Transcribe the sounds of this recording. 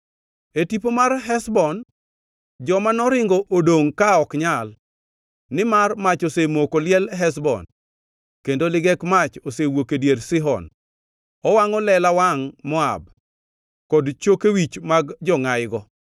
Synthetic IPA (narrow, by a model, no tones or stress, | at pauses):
etipomarɦɛsbɔn | d͡ʒɔmanɔɾɪŋɡɔʔodoŋkaɔkɲalː | ɪmarmat͡ʃosemokolɪɛlɦɛs̬bɔ̰n | kendolɪɡɛkmat͡ʃosewokedjeɾsɪɦɔ̰n | ɔwaŋɔlɛlawaŋmɔa̰b̚ | kɔdt͡ʃokewit͡ʃmaɡd͡ʒɔŋajɡɔ